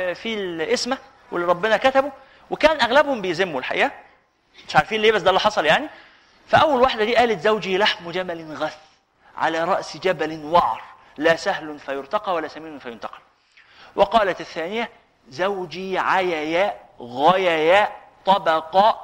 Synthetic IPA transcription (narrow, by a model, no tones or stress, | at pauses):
filʔesmæ | wḛlːɾˤɑbːɪnækæt̪æbu | wekæːnʔæɣlæbhombɪjzemːulħa̰ʔḭːʔæ | meʃʕaɾˤfiːnleːbæsːd̪ælːiːħɑsˤɑljaʕni | fæʔæwːælwaħd̪æd̪iːʔæːlæt̪zæwd͡ʒiːlaħmd͡ʒæbælnɣæθ | ʕa̰læːɾˤɑʔsd͡ʒæbælnwɑʕɾˤ | læːsæhlʊnfæjoɾt̪ɑqɑwælːæsæmiːnʊnfæjont̪ɑ̥qɑ̥l | wɑqɑːlæt̪ɪθːæːnɪjæ | zæwd͡ʒiːʕajæjæːʔ | ɣæjæjæːʔ | t̪ˤɑbɑqɑːʔ